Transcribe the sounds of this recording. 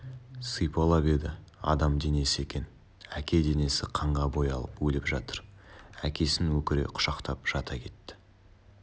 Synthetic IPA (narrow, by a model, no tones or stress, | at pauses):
sɨjpɑlˠɑbe̞d̪ɪɑ̰d̪ɑmd̪e̞ne̞sɪe̞kʲe̞n | ækʲe̞d̪e̞ne̞sɪqʰɑɴʁɑbo̞jɑ̰lˠəpwɵlɪpʒɑt̪əɾækʲe̞sɪnwɵkʲɪɾe̞̰qʰʊ̥ʃɑqt̪ɑpʒ̥ɑt̪ɑkʲʰe̞t̪ːɪ̥